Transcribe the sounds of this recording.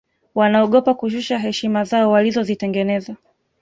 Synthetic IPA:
wanaɔɠɔpakuʃ̬uʃaɦɛʃimazaɔwalizɔzitɛŋɡɛnɛza

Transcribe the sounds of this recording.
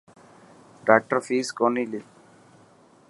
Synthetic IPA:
ɖak̚ʈəɾfiːskonili

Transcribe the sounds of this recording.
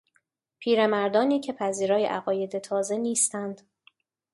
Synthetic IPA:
pʰiːɾe̞mæɾd̪ɒːniːcʰe̞pʰæziːɾɒːjḛʔæɣɒːje̞d̪e̞t̪ʰɒːze̞niːst̪ænd̪̥

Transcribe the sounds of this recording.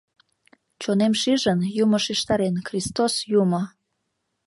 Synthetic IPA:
t͡ɕonemʃiʒənjuməʃiʃt̪ɑɾenxrist̪osjumə

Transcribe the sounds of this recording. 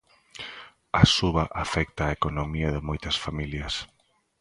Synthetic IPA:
ɐsuβɐʔafɛk̚t̪aːekonomiɐðɪmojt̪ɐsfamiljɐs

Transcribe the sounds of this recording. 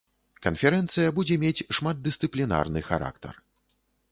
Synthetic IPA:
kɐnfʲɛɾɛnt̪sɨjɐbud͡zʲɛmʲet͡sʲʂmad̪̚d̪ɨst̪sɨplʲina̰rnɨxa̰ɾʔa̰kt̪ɐ̰r

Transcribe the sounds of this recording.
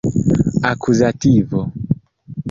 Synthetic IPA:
akʰuzativɔ

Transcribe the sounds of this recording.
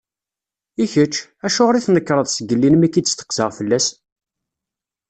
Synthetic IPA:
içət͡ʃːæʃʊʁɾiθnəkːɾˤəðˤsəɡəlːinmækːiːəst̪ə̥qzəʁfəlːæs

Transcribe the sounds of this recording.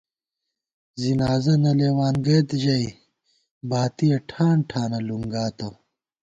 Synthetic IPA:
zinaːzɐnɐleːwaːnɡɐt̪ʑɐi | baːt̪ijɐʈʰaːɳʈʰaːnɐluŋɡaːt̪o

